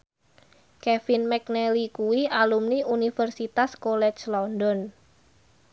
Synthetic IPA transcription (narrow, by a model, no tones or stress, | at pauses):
kɛfinmɛknɛlikuwialumniunifərsit̪askolɛt͡ʃlɔndɔn